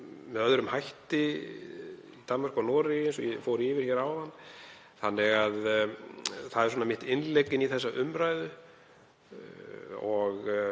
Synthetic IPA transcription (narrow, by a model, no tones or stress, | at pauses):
mɛðœðɾʏmhajht̪ɪ | it̪anmːaɾ̥kanɔːɾɪejnsɔjfowɾɪɪvɪɾ̥çɛɾawðanː | θanːɪɣað | θaðɛɾs̬wɔnamɪht̪ɪnlejcːɪniθɛsːaʔʏmɾajðʏ | ɔɣ